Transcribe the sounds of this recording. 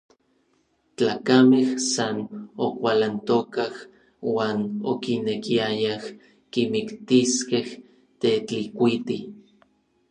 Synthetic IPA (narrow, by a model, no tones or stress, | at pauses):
t͡ɬaːkamehsanokʷalant̪okah | waːnokinekiajah | kimikt̪iskeh | t̪et͡ɬikʷit̪i